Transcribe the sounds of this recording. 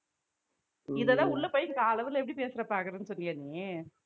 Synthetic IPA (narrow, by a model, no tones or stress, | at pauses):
ɪðɐðãːʊɭːɐpojkːɯkaːlɐʋɐlɛpːɐɽipeːsɪɾɐpːaːkɐɾɯnɯsɔnːɪŋɡɐniː